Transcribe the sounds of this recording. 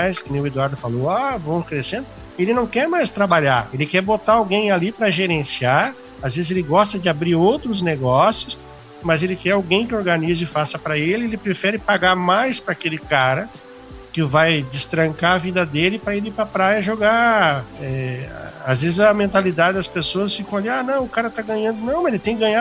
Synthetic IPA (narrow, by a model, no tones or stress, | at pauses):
jskɪnẽj̃ʊed̪waɾd̪ʊfalowavɐ̃w̃kɾesẽnd̪ʊ | elɪnɐ̃w̃kɛɾmajst̪ɾabaʎaɾelɪkɛɾbot̪aawɡẽj̃alipɾɐʒeɾẽsiaɾ | azvezɪzelɪɡɔst̪ɐd͡ʒɪabɾiɾowt̪ɾʊzneɡɔsjʊs | mɐzelɪkɛɾawɡẽj̃kɪoɾɡɐnizɪfasɐpɾɐelɪelɪpɾefɛɾɪpaɡaɾmajspɾɐakelɪkaɾɐ | kɪvajd͡ʒɪst̪ɾɐ̃ŋkaɐvid̪ɐd̪elɪpɾɐiɾɪpɾɐpɾajɐɪʒoɡa | ɛ | azvezɪzɐmẽnt̪alid̪ad͡ʒɪd̪ɐspesoɐsfikɐ̃alianɐ̃w̃ʊkaɾɐt̪aɡɐ̃ɲɐ̃nd̪ʊnɐ̃w̃mɐelɪt̪ẽj̃kɪɡɐ̃ɲa